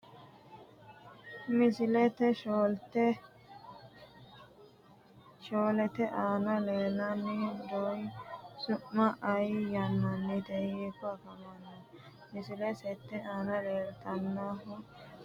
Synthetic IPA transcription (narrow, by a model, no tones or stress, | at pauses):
mɪsɪlɛt̪ɛʃoːlt̪ɛ | ʃoːlɛt̪ɛʔaːnɐleːlɐnːɛd̪ɔjsʊʔmɐʔɐjjɐmːɐnːɛt̪ɛekːɔɐkɐmɐnːɐ | mɪsɪlɛsɛt̪ːɛaːnɐleːlt̪ɐnːaɦʊ